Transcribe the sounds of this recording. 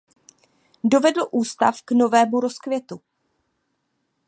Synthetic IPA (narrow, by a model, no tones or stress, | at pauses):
do̞vɛdl̩ʔuːst̪a̰fkno̞vɛːmuɾo̞skvjɛt̪u